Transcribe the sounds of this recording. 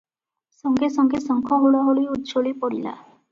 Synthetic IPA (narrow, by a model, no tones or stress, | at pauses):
sɔŋɡesɔŋɡesɔŋkʰɔɦuɽɔɦoliut̪t͡ʃolipɔɽila̰